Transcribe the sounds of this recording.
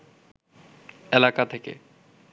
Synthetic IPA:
elakat̪ʰekḛ

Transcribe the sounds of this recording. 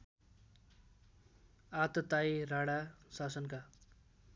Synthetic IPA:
at̪ʌt̪ajɾaɽasasʌnka

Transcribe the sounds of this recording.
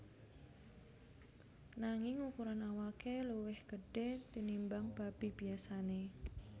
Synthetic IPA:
naŋɪŋukuɾanawakeluwɪhɡ̥əɖ̥et̪inimbaŋb̥a̤b̥i̤b̥iasane

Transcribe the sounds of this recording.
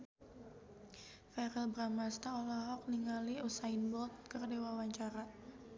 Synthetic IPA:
fɛɾɛlbɾamast̪aolaɦɔk̚niŋaliusainbɔlt̪̚kərdewawaɲt͡ʃaɾa

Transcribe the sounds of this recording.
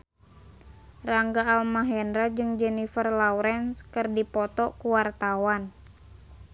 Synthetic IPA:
raŋɡaːlmaɦɛndɾad͡ʒɨŋd͡ʒɛnifərlauɾɛnskɨrdipɔt̪ɔkuwart̪awan

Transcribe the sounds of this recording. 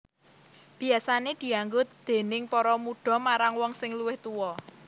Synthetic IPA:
b̥i̤asaned̪̥i̤aŋɡʊt̪̚d̪̥e̤nɪŋpɔɾɔmuɖ̥ɔ̤maɾaŋwɔŋsɪŋluwɪht̪uwɔ

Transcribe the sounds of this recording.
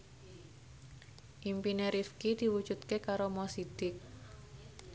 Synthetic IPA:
ʔimpineɾifkid̪̥i̤wud̥d͡ʒ̥ut̪̚kekaɾomɔsid̪̥ɪk̚

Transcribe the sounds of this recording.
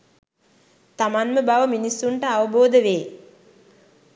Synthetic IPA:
t̪amanməbaʋəminisːuɳʈəaʋəboːd̪əʋeː

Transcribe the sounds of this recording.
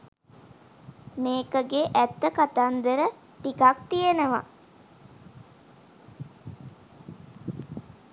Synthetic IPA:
meːkəɡeʔæt̪ːəkat̪and̪eɾə | ʈikak̚t̪ijenəʋa̰

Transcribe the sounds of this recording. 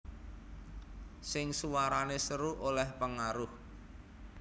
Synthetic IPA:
sɪŋsuwaɾanesəɾuʔolɛhpəŋaɾʊh

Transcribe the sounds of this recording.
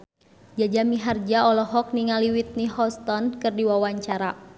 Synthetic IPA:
d͡ʒad͡ʒamiɦard͡ʒaɔlɔɦɔk̚niŋaliwit̪̚nihɔst̪ɔnkɨrdiwawaɲt͡ʃaɾa

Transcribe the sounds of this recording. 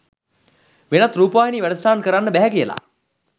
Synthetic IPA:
ʋenat̪ɾuːpəʋaːjiniːʋæɖəsʈaːnkəɾanːəbæɦɛkijəla̰

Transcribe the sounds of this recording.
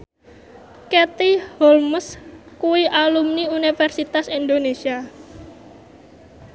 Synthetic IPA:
kɛt̪ihɔlməskuwiʔalumniunifɛrsit̪asind̪onesia

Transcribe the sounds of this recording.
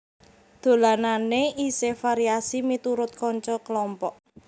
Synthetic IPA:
d̪̥o̤lananeʔisefaɾiasimit̪uɾʊt̪̚kɔɲt͡ʃɔkəlɔmpɔʔ

